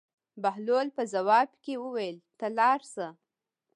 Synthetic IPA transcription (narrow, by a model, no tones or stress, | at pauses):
baɦlolpəzawɑbkewəwajəlt̪alɑɾsə